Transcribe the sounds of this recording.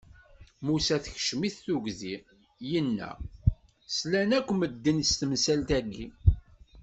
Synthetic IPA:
musæθəçʃmiθːuɡzi | jənːæ̰ | slænækʷːməd̪ːənst̪əmsælt̪æɡːi

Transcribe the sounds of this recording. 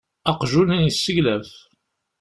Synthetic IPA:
ɑqʒunənjəsːəʝlæf

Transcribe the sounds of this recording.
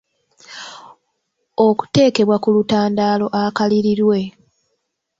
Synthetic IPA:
o̞ku̥te̞ːke̞βwakulutaːndaːlo̞ʔakaliɾiɾwe̞

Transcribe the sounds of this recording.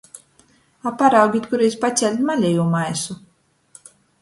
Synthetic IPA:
apaɾawɡʲit̪kuɾɛjspat̪sʲɛlʲt̪malʲɛjuːmajsu

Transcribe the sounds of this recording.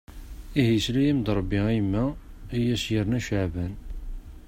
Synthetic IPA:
ihislæjæmd̪ɾˤəbːiimːæijæsjəɾnæʃaʕbæn

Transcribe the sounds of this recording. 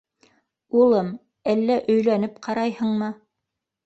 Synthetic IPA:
ulˠɤm | ælːæʔɵ̆jlænɘpqʰɑɾɑjhɤ̆ɴmɤ

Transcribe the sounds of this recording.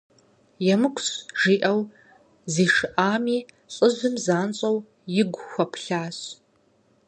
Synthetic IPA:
jɛmɨkʷʰʼsʒiːʔɐw | ziːʂɨʔaːmiː | ɬʼɨzɨmzaːnɕʼɐw | jɪɡʷxʷɐpʰɬaːɕ

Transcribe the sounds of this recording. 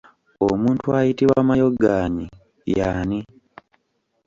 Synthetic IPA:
omuːntuajitiβwaːmajoɡaːɲi | jani

